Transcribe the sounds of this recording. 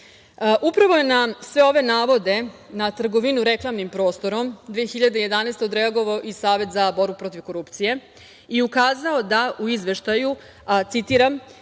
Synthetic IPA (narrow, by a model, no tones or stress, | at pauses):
ʔupɾaʋo̞je̞nasʋe̞o̞ʋe̞naːʋo̞d̪e̞nat̪r̩ɡo̞ʋinuɾe̞klˠamnimpɾo̞ːst̪o̞ɾo̞md̪ʋeːçiʎad̪eje̞d̪aneːst̪eod̪ɾeaɡo̞ʋaoʔisaːʋe̞t̪zabo̞ɾbupɾo̞t̪iʋko̞ɾupt̪sije̞ | iukaːzao̞d̪aʔuizʋe̞ʃt̪aju | t̪sit̪iːɾam